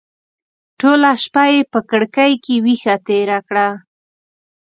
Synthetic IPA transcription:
ʈolaʃpajepəkəɽkajkewixat̪eɾakɽa

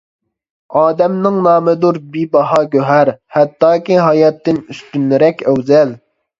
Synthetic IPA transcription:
ɑːd̪ɛmnɪŋnɑːmɪd̪uɾbibɑɦɑɡʲøɦæɾhɛt̪ːɑːkʲiɦɑjɑt̪ːɪnyst̪ynɾɛkʲøwzɛl

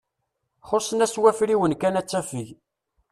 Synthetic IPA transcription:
χoɾsənæswæfɾiwənkænæt͡sːæfiʝ

